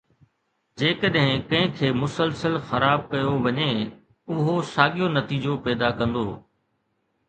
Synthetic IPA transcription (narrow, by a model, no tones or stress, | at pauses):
d͡ʑeːkəɗɦɪ̃kɐ̃ɦɪ̃kʰeːmʊsəlsəlxɐɾaːb̚kɐjoʋɐɲe | ʊɦosaːɠijonɐt̪iːd͡ʑopɛːd̪akɐ̃nd̪oː